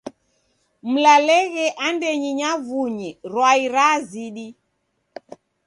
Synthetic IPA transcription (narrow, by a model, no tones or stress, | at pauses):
m̩lalɛɣɛʔandɛɲiɲavuɲiɾwaiɾaziɗi